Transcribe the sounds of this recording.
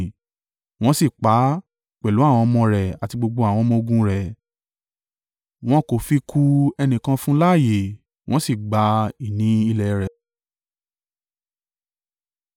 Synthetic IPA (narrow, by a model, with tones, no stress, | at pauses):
w̃ɔ̃˦si˦˨k͡pa˨˦ | k͡pɛ˨lu˨˦a˦˨w̃ɔ̃˧mɔ̃˧ɾɛ˨a˨ti˧ɡ͡bo˧ɡ͡bo˧a˨w̃ɔ̃˧mɔ̃˧o˧ɡũ˧ɾɛ˨ | w̃ɔ̃˦ko˨fi˧kʰu˧ɛ˧nĩ˨kã˧fũ˦la˦˨je˨ | w̃ɔ̃˦si˦˨ɡ͡ba˧i˨nĩ˨˦i˦˧lɛ˧ɾɛ˨